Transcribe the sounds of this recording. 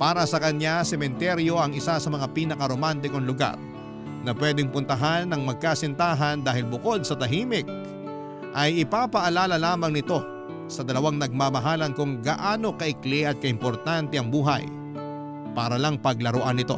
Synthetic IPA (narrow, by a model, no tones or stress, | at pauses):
paːɾɐsɐkɐɲasɛmɛnt̪ɛɾjo̞ʔɐŋɪsasɐmɐŋapiːnɐkɐɾomant̪̬ɪkoŋlʊɡa̰ɾ | nɐpwɛːd̪ɪŋpʊnt̪ɐɦanːɐŋmɐɡ̚kaːsɪnt̪aːɦɐnd̪aːɦɪlbʊko̞d̪̚sɐt̪ɐɦiːmɪk̚ | ʔɐjʔɪpaːpɐʔɐlaːlɐlaːmɐŋnɪt̪o̞ | sɐd̪ɐlɐwaŋnɐɡ̚maːmɐɦaːlɐnkʊŋɡɐʔaːno̞kɐʔɪklɪʔɐt̪̚kɐɪmpo̞ɾt̪ant̪ɛɐŋbuːɦɐ̰j | paːɾɐlɐŋpɐɡ̚lɐɾoʔanːɪt̪o̞̰